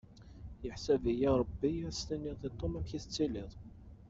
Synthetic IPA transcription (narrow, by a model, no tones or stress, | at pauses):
jəħsævijiɾˤəbːiæst̪ænːiðˤit̪ˤːomæmçiθət͡sːilɪðˤ